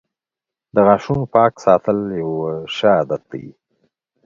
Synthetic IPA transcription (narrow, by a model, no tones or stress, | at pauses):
d̪əɣɑʃunopɑksɑt̪əljawəʃəːd̪at̪̚d̪a̰jḭ